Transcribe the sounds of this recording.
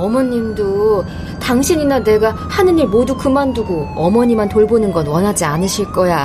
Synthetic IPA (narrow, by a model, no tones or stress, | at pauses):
ʌmʌɲːimdo | taŋɕʰiɲinane̞ɡa | hanɯniɭmodukɯmanduɡoʌmʌɲimantoɭbonɯnɡʌnwʌnɦad͡ʑianɯɕʰiɭk͈ʌja